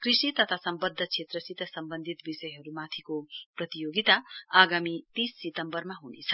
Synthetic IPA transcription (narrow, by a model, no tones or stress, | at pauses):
krisit̪ʌt̪ʰasʌmbʌd̪ʱːʌt͡sʰet̪rʌsit̪ʌsʌmbʌnd̪ʱit̪bisʌjɦʌɾumat̪ʰikoprʌt̪ijoɡit̪aaɡamit̪isːit̪ʌmbʌrmaɦunḛt͡sʰʌ